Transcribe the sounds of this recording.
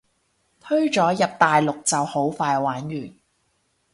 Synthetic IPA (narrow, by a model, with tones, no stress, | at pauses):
t̪ʰɵ˥ɥt͡ʃɔː˨˥jɐ˨p̚t̪aː˨jlʊ˨k̚t͡sɐ˨who˨˥wfaː˧jwaː˨˥njyː˨˩n